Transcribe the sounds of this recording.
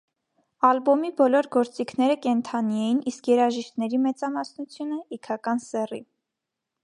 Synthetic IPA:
ɑlbɔmibɔlɔɾɡɔɾt͡sikʰnɛɾəkɛnt̪ʰɑniɛjinʔiskjɛɾɑʒiʃt̪nɛɾimɛt͡sɑmɑsnut͡sʰjunəikʰɑkɑnsɛrḭ

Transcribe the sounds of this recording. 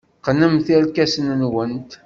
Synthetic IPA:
qənəmθælkæsənnwənt̪

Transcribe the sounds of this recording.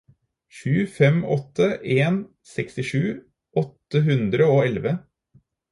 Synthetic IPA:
ʃʉːfɛmɔt̪ʰːəʔeːn | sɛkst̪ɪʂʉː | ʔɔt̪ːəɦʉnd̪ɾəoːɛlʋə

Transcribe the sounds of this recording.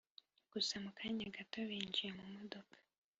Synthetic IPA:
ɡ̥usamukʰaɲaɡato̞βiːɲd͡ʒijemumodo̞kʰḁ

